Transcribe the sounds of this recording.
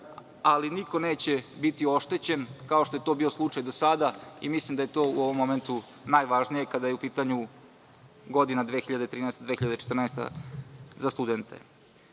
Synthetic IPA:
aliniko̞neːt͡ɕebit̪io̞ʃt̪e̞t͡ɕe̞nkaoʃt̪o̞jet̪o̞bioslˠut͡ʂajd̪o̞sad̪aḭmislˠimd̪ajet̪o̞ːuo̞ʋo̞mːo̞me̞nt̪u | najʋaʒnije̞kad̪ajeupiːt̪aɲu | ɡo̞d̪inad̪ʋeːxiʎad̪et̪ɾiːnɛst̪d̪ʋeːxiʎad̪et͡ʃet̪rnaest̪a̰zast̪ud̪ent̪ʰḛ

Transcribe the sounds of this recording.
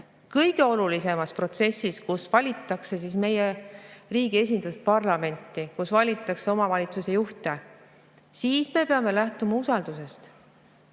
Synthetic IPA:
kɤjɡ̥e̞o̞lulise̞mɑspro̞t̪se̞sʲːiskusvɑlʲit̪ːˑɑkse̞s̬isme̞jeriːɡ̥ie̞s̬ʲind̪̥ust̪̚pɑrlɑme̞nʲt̪ːˑikusvɑlʲit̪ːˑɑkse̞o̞mɑvɑlʲit̪suse̞juht̪e̞ | siːsme̞peɑme̞læht̪umɑusɑld̪̥us̬e̞st̪

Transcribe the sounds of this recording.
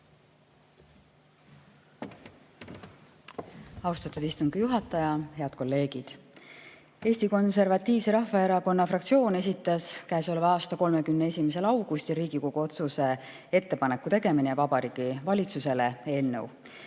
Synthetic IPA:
ɑwst̪ɑt̪ːˑud̪ist̪uŋɡ̥ijuɦɑt̪ːˑɑjɑhe̞ɑd̪̥̚ko̞lːe̞ːɡ̥id̪̥ | e̞ːsʲt̪iko̞nse̞rvɑt̪ːˑiːvseɾɑhvɑe̞ɾɑko̞nːɑfrɑk̚t̪sio̞ːne̞s̬ʲit̪ˑːɑskæeso̞lvɑːst̪ɑko̞lme̞kymnee̞sʲimese̞lɑwɡust̪iɾiːɡ̥iko̞ɡuo̞t̪suse̞ | e̞t̪ːe̞pɑne̞kːˑut̪e̞ɡ̥e̞minejɑvɑbɑɾiːɡ̥ivɑlʲit̪suse̞le̞e̞ːlnə̞̰w

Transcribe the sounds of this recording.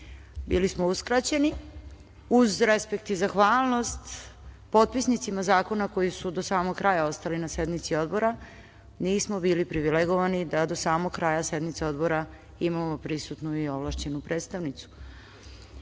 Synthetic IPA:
biːlismouskɾat͡ɕe̞ni | uzɾespekt̪izaxʋaːlˠno̞st̪ | po̞t̪̚pisnit̪simazaːko̞nako̞jisud̪o̞saːmoɡkɾaːjao̞st̪alinase̞d̪mit̪sio̞d̪bo̞ɾa | niːsmo̞biːlipɾiʋileɡo̞ʋanid̪ad̪o̞saːmo̞ɡkɾaːjase̞d̪mit̪seo̞d̪bo̞ɾa | imamo̞pɾisut̪nuioʋlˠaʃt͡ɕe̞nupɾeːd̪st̪aʋnit̪su̥

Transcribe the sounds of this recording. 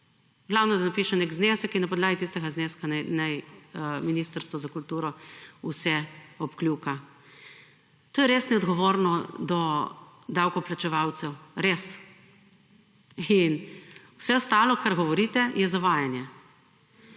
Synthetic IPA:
ɡlawnɔd̪anapiːʃɛneɡznesəkinːapɔd̪laːɡit̪ist̪ɛɡazneːskanajminiːst̪əɾst̪ʋɔzakult̪uːɾɔusɛɔpkljuka | t̪oːjɛɾeːsnɛɔd̪ɡɔʋoːɾnɔd̪ɔ | d̪awkɔplat͡ʃɛʋawt̪sɛwɾes | inwsɛɔst̪aːlɔkaɾɡɔʋɔɾiːt̪ɛjɛzaʋaːjanjɛ

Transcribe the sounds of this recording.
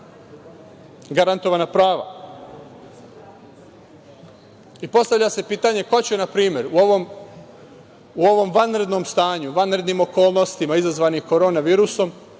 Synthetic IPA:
ɡaɾant̪o̞ʋanapɾaːʋa̰ | ipo̞st̪aʋʎase̞piːt̪aɲe̞kot͡ɕe̞napɾiːmje̞ɾuoom | uo̞ʋo̞mʋanɾe̞d̪no̞mst̪aːɲuʋanɾe̞d̪nimo̞ko̞ːlˠno̞st̪imaizazʋaːnixko̞ɾo̞ːnaʋiːɾuso̞m

